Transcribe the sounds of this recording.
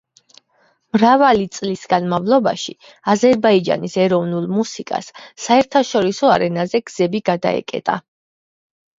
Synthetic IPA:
mɾavalit̪sʼlisɡanmavlˠɔba̰ʃi | azɛɾbaid͡ʒa̰nisɛɾɔvnulˠmusikʼa̰sːaɛɾt̪ʰaʃɔɾisɔa̰ɾɛnazɛɡ̥z̥ɛbiɡad̪a̰ɛ̰kʼɛ̰t̪ʼa̰

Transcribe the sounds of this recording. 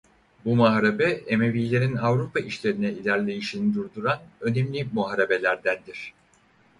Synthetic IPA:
bumaɦɾebɛeme̞vijlʲe̞ɾinavɾupʰaiʃlʲe̞ɾinɛilʲæɾlʲe̞jiʃinid̪uɾd̪uɾanø̞nemlʲimuaɾebe̞lʲæɾd̪ænd̪iɾ̥

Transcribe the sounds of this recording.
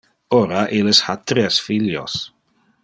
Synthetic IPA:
ɔɾaʔilɪshat̪ɾɛsfiljɔ̰s

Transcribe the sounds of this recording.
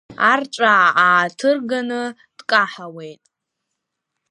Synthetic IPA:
art͡ʃʷʼaːtʰɨrɡanɨ | d̥kʼaħawe̞jtʼ

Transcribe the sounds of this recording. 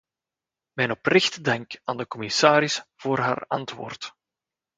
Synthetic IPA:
mɛjnɔprɪxtdɛŋkaːndəkɔmɪsaːɾɪsv̥oːrɦa̰ːrɑntʋo̰ːrt

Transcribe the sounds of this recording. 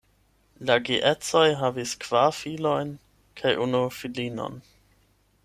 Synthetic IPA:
laɡiʔet͡sojɦaviskv̥aʁfilo̞jn | kʰajʔunufilino̰n

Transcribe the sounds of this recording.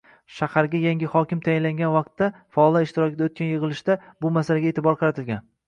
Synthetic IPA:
ʃahaɾɡʲajaŋɡʲɪhɒkʲɪmt̪ʰajɪnlaŋɡʲanvɑq̚t̪ːafɒːlˠaɪʃt̪ɪɾɒkʲɪd̪aot̪kʰʲanjɨʁɨlˠɪʃd̪abʊmasalaɡʲaet̪ʰɪbɒɾqʰɑɾat̪ʰɪlɡʲan

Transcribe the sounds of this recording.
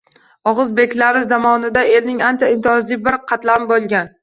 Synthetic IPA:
ɒʁɨzbekʲʰlaɾɪzamɒnɪd̪ae̞ɾnɪŋant͡ʃaɪmt̪ʰɒzlɪbɪɾqʰɑt̪labolˠɡʲan

